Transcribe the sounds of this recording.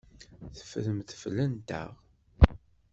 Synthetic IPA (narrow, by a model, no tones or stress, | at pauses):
θə̥fɾəmθəflənt̪ə̰ʁ